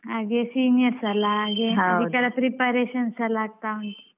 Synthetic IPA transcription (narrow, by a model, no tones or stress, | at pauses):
aɡesinijəɾsalaːɡeɦaikaɾapɾipaɾeɕənsalaɡ̚t̪aməɳ